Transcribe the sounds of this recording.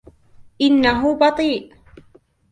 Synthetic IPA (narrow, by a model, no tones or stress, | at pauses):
ʔɪnːaɦubɑt̪ˤiːʔ